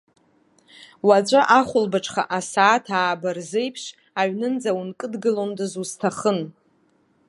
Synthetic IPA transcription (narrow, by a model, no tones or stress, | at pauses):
wat͡ɕʷʼaʔaχʷʊlbaʈ͡ʂʰʼχa̰ʔasaːtʰaːbarzejpʰʂ | aɥnɨnd͡zawunkʼɨdɡɨlomdɨzuztʰaχən